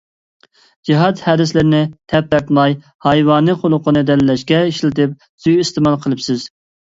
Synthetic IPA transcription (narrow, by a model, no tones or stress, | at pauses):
d͡ʒiɦɑt̪hɛd̪ɪslɪɾɪnɪt̪ʰɛp̚t̪ɛɾt̪mɑj | hɑjwɑːnɨqʰolˠʊqʰənɨd̪ɛlɪlɛʃkʲɛiʃlɪt̪ɪp̚ | syjist̪ɪmɑlˠqʰəlˠɨpsɪz̥